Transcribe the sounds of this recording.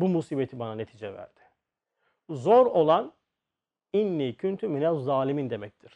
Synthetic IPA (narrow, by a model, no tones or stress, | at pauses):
bumusiːbet̪ʰibanane̞t̪ʰiːd͡ʒɛvæ̰ɾd̪̥ɪ̥ | zoɾo̞lˠan | inlʲicʰynt̪ʰyminɛzaːlʲimind̪e̞mɛc̚t̪ʰiɾ̥